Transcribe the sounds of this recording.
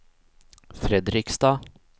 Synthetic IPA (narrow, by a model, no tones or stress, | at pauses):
fɾɛd̪ɾɪkst̪ɑː